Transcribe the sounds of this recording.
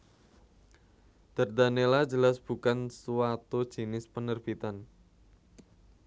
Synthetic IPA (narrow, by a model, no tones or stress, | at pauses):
d̪̥ərd̪anelḁd͡ʒə̤lasb̥ṳkansuwat̪u̥d͡ʒ̥inɪspənərb̥it̪an